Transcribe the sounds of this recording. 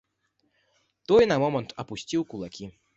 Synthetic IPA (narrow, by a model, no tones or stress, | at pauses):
t̪ɔjnɐmɔmɐnt̪ɐpusʲt͡sʲiwkulˠakʲi